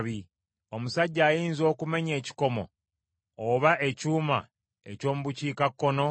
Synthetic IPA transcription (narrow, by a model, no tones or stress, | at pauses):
βi | o̞musaɟːaːjiːnzo̞ːkume̞ɲe̞ːci̥ko̞mo̞̰ː | βaʔe̞cuːma̰ | e̞̰co̞ːmuβuciːkakːo̞no̞